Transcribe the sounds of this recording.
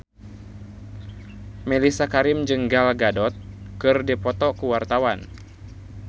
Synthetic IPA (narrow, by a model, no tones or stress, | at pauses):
milisakaɾimd͡ʒəŋɡalɡadɔt̪̚kɨrdipɔt̪ɔkuwart̪awan